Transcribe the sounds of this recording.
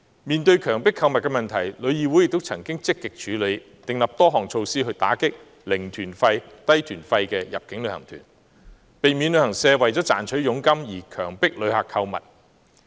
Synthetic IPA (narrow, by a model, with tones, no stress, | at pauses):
miː˨˩nt̪ɵ˧ɥkʰœː˨˩ŋpɪ˥kʰːɐ˧wmɐ˨t̚kɛ˧mɐ˨nt̪ʰɐ˨˩jlɵ˨˧ɥjiː˨˧wu˨˥jɪ˨k̚t̪o˥wt͡sʰɐ˨˩ŋkɪ˥ŋt͡sɪ˥kːɪ˨k̚t͡ʃʰyː˨˧˥le˨˧j | t̪ɪ˨ŋlɐ˨p̚t̪ɔː˥ɦɔː˨˩ŋt͡sʰo˧wsiː˥ɦɵ˧ɥt̪a̰ː˨˥kɪ˥k̚ | lɪ˨˩ŋt̪ʰyː˨˩nfɐ˧jt̪ɐ˥jt̪ʰyː˨˩nfɐ˧jkɛː˧jɐ̰˨p̚kɪ˨˥ŋlɵ˨˧ɥhɐ̰˨˩ŋt̪ʰyː˨˩n | pe˨˩jmiː˨˧nlɵ˧ɥhɐ˨˩ŋsɛː˧wɐ˨jt͡sɔː˨˥t͡sa̰ː˨˩nt͡ʃʰɵ˨˥ɥjʊ˨˥ŋkɐ˥mjiː˨˩kʰœ̰ː˨˩ŋpɪ˥k̚lɵ˨˧ɥhaː˨kʰːɐ˧wmɐ̰˨˩t̚